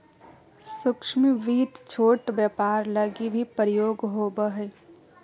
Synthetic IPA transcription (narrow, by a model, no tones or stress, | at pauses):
sʊkʃmiʋiːt̪t͡ʃʰoːʈbɛpaːɾləɡibʱipɾəjoːɡɦoːbəɦɛ